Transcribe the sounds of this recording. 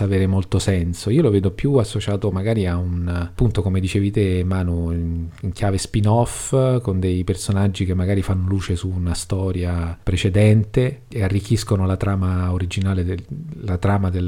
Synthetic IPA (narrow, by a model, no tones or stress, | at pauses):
aveːɾemolt̪osɛnsoiːoloveːd̪opjuasːot͡ʃaːt̪omaɡaːɾiaunpːunt̪okomed̪it͡ʃeːvit̪emːaːnuniŋk̟jaːvespinɔfkond̪ejpersonad͡ʒːik̟emːaɡaːɾifanːoluːt͡ʃesuːnast̪ɔːɾjapɾet͡ʃed̪ɛnt̪eearːikʰːiskonolat̪ɾaːmaoɾid͡ʒinaːled̪lat̪ɾaːmad̪e